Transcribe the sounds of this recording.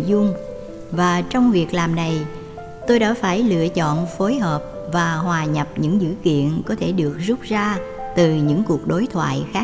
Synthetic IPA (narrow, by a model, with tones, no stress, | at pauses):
zʊ˧ŋ͡m | vaː˨˩t͡ɕɔ˧wŋ͡mvi˨˩ək̚laː˨˩mna˨˩j | t̪o˧jɗa̰ː˧˥faː˧˩jlɨ̰˧˨ət͡ɕɔ̰˧˨nfo˨˦jɦəː˨˩p̚vaː˨˩hwaː˨˩ɲə˨˩p̚ɲɨ̰˧˥ŋzɨ̰˧˥kḭ˧˨ənkɔ˨˦t̪ʰe˧˩ɗɨ˨˩ək̚zʊ˦˥k͡p̚zaː˧t̪ɨ˨˩ɲɨ̰˧˥ŋku˨˩ək̚ɗo˨˦jt̪ʰwa̰ː˧˨jxaː˨˦˥